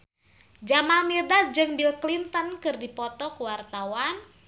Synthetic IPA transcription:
d͡ʒamamirdad͡ʒɨŋbilklint̪ənkɨrdipɔt̪ɔkuwart̪awan

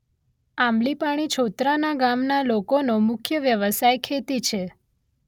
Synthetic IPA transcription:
amlipaɽ̃it͡ʃʰot̪ɾanaɡamnalokonomʊkʰjəʋjəʋəsajkʰet̪it͡ʃʰe

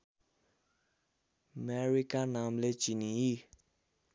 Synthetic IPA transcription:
mɛɹikanamlet͡ɕiniji

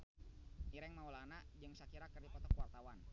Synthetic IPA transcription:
iɾɛŋmaulanad͡ʒəŋsakiɾakərdipɔt̪ɔkuwart̪awan

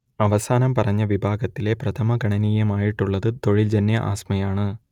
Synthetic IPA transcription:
ɐʋɐsaːnɐmpɐrɐɲːɐʋibʱaːɡɐt̪ːile̞prɐt̪ʰɐmɐɡʱɐɳɐniːjɐmaːjiʈːuɭːɐðɨt̪o̞ɻild͡ʑɐnːjɐʔa̰ːsmɐjaːɳɨ

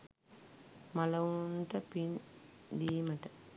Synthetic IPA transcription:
mɐlɐunʈɐpind̪iːmɐʈɐ

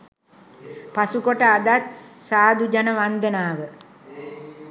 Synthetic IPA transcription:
pasukoʈəad̪at̪̚saːd̪ud͡ʒanəʋand̪ənaːʋə

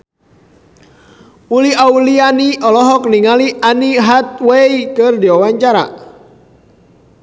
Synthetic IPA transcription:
uliaulianiɔlɔɦɔk̚niŋaliʔaniɦat̪̚wɛikɨrdiwawaɲt͡ʃaɾa̰

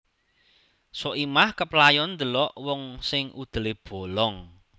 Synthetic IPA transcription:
sɔʔimahkəplajɔnd̪əlɔʔwɔŋsɪŋʔud̪̥ə̤leb̥o̤lɔŋ

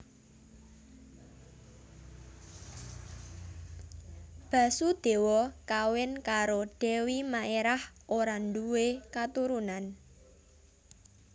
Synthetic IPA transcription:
b̥ä̤sud̪̥e̤wɔkawɪnkaɾoɖ̥ɛ̤wimaʔeɾahʔoɾanduwekat̪uɾunan

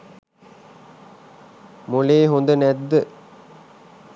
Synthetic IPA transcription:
moleːɦond̪ənæd̪ːə

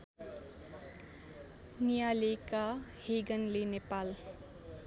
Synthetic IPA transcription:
nijalekaheɡənlenepaːl

